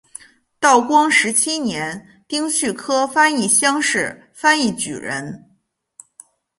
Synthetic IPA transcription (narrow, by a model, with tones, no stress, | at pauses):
t̪ɑ˥˩ʊkwɑ˥ŋʂɻ̩˧˥t͡ɕʰi˥njɛ˧˥n | t̪i˥ŋɕʰy˥˩kʰɤ˥fa˥ni˥˩ɕjɑ˥ŋʂɻ̩˥˩ | fa˥ni˥˩t͡ɕy̰˨˩ɻə̰˧˥n